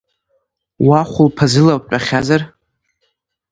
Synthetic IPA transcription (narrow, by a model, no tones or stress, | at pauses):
waχʷʊlpʰazɨlawpʷʼaχʲazar